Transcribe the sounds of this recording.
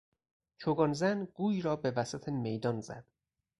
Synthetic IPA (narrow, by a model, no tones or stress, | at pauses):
t͡ʃʰoɡɒnzænɡ̥uːjɾɒːbe̞væsæt̪ʰemejd̪ɒnzæ̰d̪̥